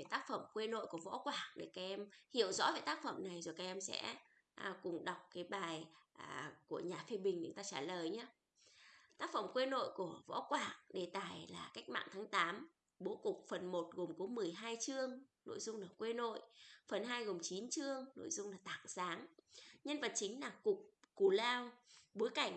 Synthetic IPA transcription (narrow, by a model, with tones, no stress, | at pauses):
ve˨˩t̪aː˦˥k̚fə˧˩mkwe˧no̰˧˨jku˧˩əvɔ̰˧˥kwaː˧˩ŋ̚ɗe˧˩kaː˨˧˩ʔɛ˧mhḭ˧˨əwzɔ̰˧˥ve˨˩t̪aː˦˥k̚fə̰˧˩mna˨˩jzo˨˩kaː˨˦k̚ʔɛ˧msɛ̰˧˥ | ʔkʊ˨˩ŋ͡mɗa˨˩wk͡p̚kaː˨˦jɓaː˨˩jʔa˨˩ku˧˩əɲaː˨˩fe˧ɓï˨˩ŋ̟ɲ̰˨˦ŋt̪aː˧t͡ɕaː˧˩ləː˨˩jɲaː˨˦ | t̪aː˦˥k̚fə˧˩mkwe˧no̰˧˨jku˧˩əvɔ̰˧˥kwaː˧˩ŋɗe˨˩t̪a̰ː˧˨˩jlaː˨˩ka˦˥jk̚ma̰ː˧˨ŋt̪ʰaː˨˦ŋt̪aː˨˦m | ɓo˨˦kʊ˨˩k͡p̚fə˨˩nmo˨˩t̚ɣo˨˩mku˨˦mɨ˨˩əjɦaː˧jt͡ɕɨ˧əŋno̰˧˨jzʊ˧ŋ͡mlaː˨˩kwe˧no̰˧˨jfə˨˩nɦaː˧jɣo˨˩mt͡ɕi˨˦nt͡ɕɨ˧əŋno̰˧˨jzʊ˧ŋ͡mlaː˨˩t̪a̰ː˧˨ŋsaː˨˦ŋɲə˧nvə˨˩t̚t͡ɕï˨˦ŋ̟laː˨˩kʊ˨˩k͡p̚ku˧˩laː˧wɓo˨˦jka˧˩jŋ̟